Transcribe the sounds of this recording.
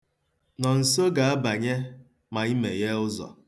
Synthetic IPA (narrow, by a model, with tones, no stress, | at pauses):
nɔ˨n̩˨so˦ɡa˨a˦ba˨ɲe˦ | ma˨i˦mḛ˨je˦ʊ˦zɔ̰˨